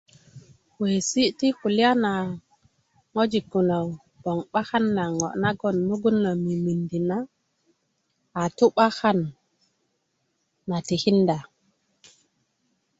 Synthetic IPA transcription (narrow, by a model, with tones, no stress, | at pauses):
we˨si˦ʔti˦xu˨li˦a˦na˨ | ŋo˦d͡ʒi˨ɡu˨na˨w | b̥ɔ˨ŋɓa˦xa˦nːa˨ŋɔ̰˨ʔna˦ɡɔ˨nːu˦ɡu˦nːa˨mi˨mi˨ndi˨na˦˨ | tu˦ɓa˦xa˦n | a˨ti˨hi˦nda˨